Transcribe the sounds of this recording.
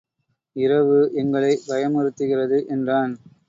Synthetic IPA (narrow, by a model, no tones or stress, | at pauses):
ɪrɐʋɯʔɛŋɡɐɭɐɪbɐjɐmɔɾɯt̪ːɯɣɪrɐðɯʔɛndraːn